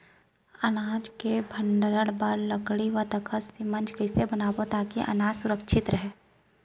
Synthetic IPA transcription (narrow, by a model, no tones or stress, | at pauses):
ɐnaːd͡ʒkebʱə̃ɳɖəɾəɽbəɾləɡɽiʋət̪əkʰəsimɐ̃nd͡ʒkɐsebɐnaːbot̪aːkiʔɐ̰naːd͡ʒsʊɾəkʃʰɪt̪ɾɐɦɛː